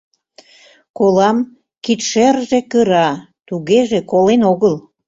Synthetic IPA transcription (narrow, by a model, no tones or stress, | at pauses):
kolɑm | kit̪ʃerʒekəɾɑ | t̪uɣeʒekolenoɣəl